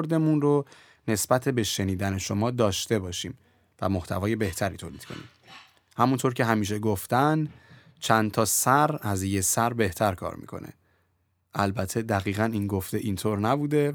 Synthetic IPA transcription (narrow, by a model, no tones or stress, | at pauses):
ɾd̪e̞munro | ne̞sbæt̪ʰe̞beʃe̞niːd̪æne̞ʃo̞mɒːd̪ɒːʃt̪e̞bɒːʃiːm | væmo̞ht̪ʰævɒːje̞be̞ht̪ʰæɾiːt̪ʰoːliːd̪̥kʰo̞̰nḭːm | hæmunt̪ʰo̞ɾcʰe̞ɦæmiːʃ̬e̞ɡoft̪æn | t͡ʃʰænt̪ʰɒːsæɾæzjesæɾbe̞ht̪ʰæɾkʰɒ̰ːɾmḭkʰo̞̰nʔḛ | ʔælbæt̪ʰe̞d̪æɣiːɣæninɡo̞ft̪e̞ʔint̪ʰoːɾnæbuːd̪e̞